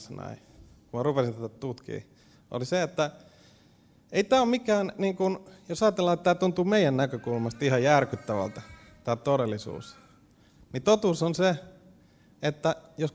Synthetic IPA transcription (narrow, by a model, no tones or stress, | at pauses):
snɑ̰i | kummɑrupesint̪æt̪ætt̪ut̪kḭː | o̰liseet̪ːæ | eit̪æːomikˑæːnniːŋkunjosɑjɑt̪elːɑet̪t̪ːæːt̪unt̪uːmeijænnækøkulmɑst̪ihɑjjærkyt̪ːæʋæ̰lt̪ɑ | t̪ɑːt̪odelːisṵːs | nit̪ot̪uːsonse | et̪ːæjos